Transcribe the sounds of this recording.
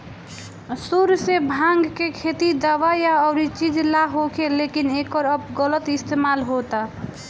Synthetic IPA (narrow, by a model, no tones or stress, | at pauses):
suɾsebʱãŋɡkekʰet̪id̪əʋajaɔʊɾit͡ʃid͡ʒʱlaɦokʰelekinekəɾəbɡələt̪ist̪emalɦot̪a